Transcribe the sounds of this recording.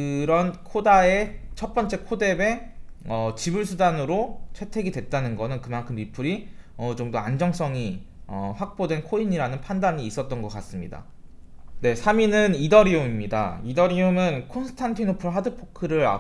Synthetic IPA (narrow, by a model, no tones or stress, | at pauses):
kɯɾʌnkʰodaet͡ɕʰʌp͈ʌnt͡ɕ͈e̞kʰode̞be̞ʌt͡ɕibuɭsʰudanɯɾot͡ɕʰwe̞tʰe̞ɡidwe̞t̚t͈anɯnɡʌnɯnkɯmankʰɯmːipʰuɾiʌt͡ɕoŋdoand͡ʑʌŋs͈ʌŋi | ʌɸak̚p͈odwe̞nkʰoiɲiɾanɯnpʰandaɲiːs͈ʌt̚t͈ʌnɡʌk͈as͈ɯmɲida̰ | ne̞sʰaminɯnidʌɾiumimɲida̰idʌɾiumɯnkʰonsʰɯ̥tʰantʰinopuɭɦadɯpʰokʰɯɾɯɾa̰